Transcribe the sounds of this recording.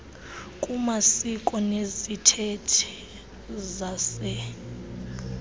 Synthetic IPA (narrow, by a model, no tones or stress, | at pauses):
kʼumasikʼɔnezitʰetʰɛ̥ | zasɛ